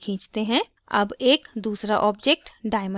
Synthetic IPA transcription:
kʰĩːt͡ʃt̪eɦɛ̃ | ɐ̰beːkd̪uːsɾaʔɔːbd͡ʒeːk̚ʈɖaːɪmə

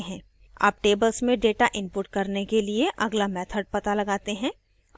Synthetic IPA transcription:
ɦɛ̃ː | a̰ːp̚ʈeːbəlsmẽɖeːʈaʔɪ̃mpʊʈ̚kɐɾnekelieʔɐɡlamɛːt̪ʰəɖ̚pɐt̪alɐɡaːt̪eɦɛ̃ː

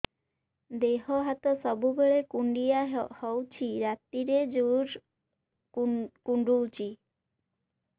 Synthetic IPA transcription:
d̪eɦɔɦat̪ɔsɔbubeɭekuɳɖijahɔwt͡ʃʰiɾat̪iɾed͡ʒuɾ | kuɳɖuwt͡ʃʰi

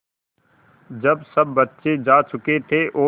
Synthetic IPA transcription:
d͡ʒɐbsɐbːɐtːʃed͡ʒaːt͡ʃʊket̪ʰeʔoː

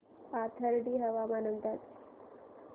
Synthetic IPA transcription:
pat̪ʰəɾɖiːɦɐʋamanənd̪at̪

